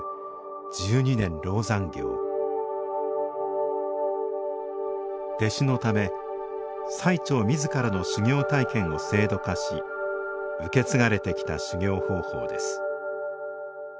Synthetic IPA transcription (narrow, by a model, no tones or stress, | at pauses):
d͡ʑɨːɲ̟inẽ̞nɾo̞ːzãŋɡʲo̞̰ː | d̪̥e̞ɕino̞t̪ame̞ | sait͡ɕo̞ːmʲizɨkaɾano̞ɕiɡʲo̞ːt̪aikẽ̞ɰ̃o̞se̞ːd̪o̞kaɕḭ | ɯke̞t͡sɨɡaɾe̞t̪e̞kʲi̥t̪a̰ɕiɡʲo̞ːho̞ːho̞̰ːd̪e̞̰sɨ̥